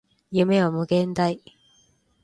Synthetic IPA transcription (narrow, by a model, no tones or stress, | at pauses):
jɯmewamɯɡẽnt̪aj